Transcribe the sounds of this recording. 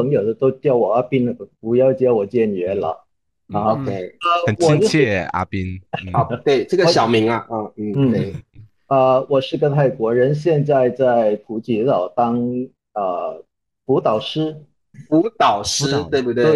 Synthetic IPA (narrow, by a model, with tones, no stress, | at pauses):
pʰɤ˧˥ŋjo˨˩ʊd̪ə˦t̪o˥ʊt̪jɑ˥˩ʊwɔ˨˩a˥pi˥n˩pu˧˥jɑ˥˧ʊt͡ɕjɛ˥wɔ˨˩t͡ɕjɛ˥˧˩nɥɛ˧˥nlə̰˨˩˧ | o˧kʰe˥ɪə˧˩ə˨˩nwwɔi˥˩t͡ɕt͡ɕʰjɛ˥˩a̰˥pi˥n˥˩˧ | t̪we˥˩ɪʈ͡ʂɤ˥˩ɡə˧ɕjɑ˨˩ʊmi˧˥ŋɐ˧ʔə˥˧n̩˥˩n̩˥˩we˥˩ | ə˧wɔ˨˩ʂɻ̩˥˧kɤ˥t̪ʰa˥˩ɪkwɔ˧˥ɻə˧˥nɕjɛ˥˧nt͡sa˥˧ɪt͡sa˥˧ɪpʰu˧˥t͡ɕi˧˥lɑ˨˩ʊt̪ɑ˥ŋ | ə˧ | pu˧˥t̪ɑ˨˩ʊʂɻ̩˥ | pu˧˥t̪ɑ˨˩ʊʂ̩˥t̪we˧bu˧˩t̪we˥˧e˩˧˩